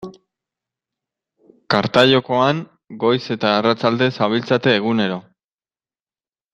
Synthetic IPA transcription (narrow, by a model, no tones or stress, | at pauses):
kaɾt̪aʎo̞ko̞aŋ | ɡo̞jse̞t̪aːrat͡sald̪e̞saβ̞ilt͡sat̪e̞ːɣune̞ɾo̞